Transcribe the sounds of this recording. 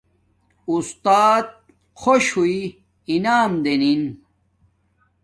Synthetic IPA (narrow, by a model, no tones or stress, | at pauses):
ust̪aːt̪̚ | kʰoɕhui | inaːmd̪enin